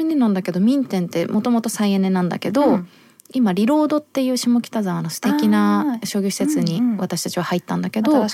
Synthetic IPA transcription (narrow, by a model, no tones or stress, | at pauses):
ɯnʲːinãnd̪ake̞d̪o̞mʲĩnt̪ẽ̞nt̪ːe̞mo̞t̪o̞mo̞t̪o̞saiene̞nãnd̪a̰ke̞d̪o̞ | imaɾʲiɾo̞ːd̪o̞t̪ːe̞jɯ̟ːɕimo̞kʲi̥t̪azaβanosɨ̥t̪e̞kʲinaɕo̞ːɡʲoçi̥se̞t͡sɨɲ̟iβat̪aɕi̥t̪ḁt͡ɕiβ̞ahait̪ːãnd̪ake̞d̪o̞